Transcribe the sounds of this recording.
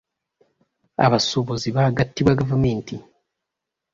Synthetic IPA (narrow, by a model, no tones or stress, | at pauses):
a̰βasoβoziβaːɡatːiβwaɡavumeːnti